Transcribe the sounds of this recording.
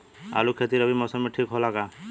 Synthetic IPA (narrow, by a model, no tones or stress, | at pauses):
a̰lukʰet̪iɾɔbʱimɔsɔmeʈʰikɦɔlaɡa